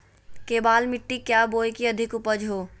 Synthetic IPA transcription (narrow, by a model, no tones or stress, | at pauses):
keːbaːlmɪʈːikjaːboːjkiɐd̪ʱɪkʊpəd͡ʒɦoː